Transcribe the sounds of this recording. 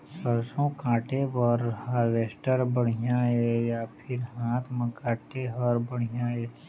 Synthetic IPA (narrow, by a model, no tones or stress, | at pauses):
səɾsõkãːʈebəɾhaɾʋeːsʈəɾbəɽ̤̃ijãɦɛːjapʰɪɾɦaːt̪ʰməkaːʈeɦəɾbəɽ̤ijãɦɛː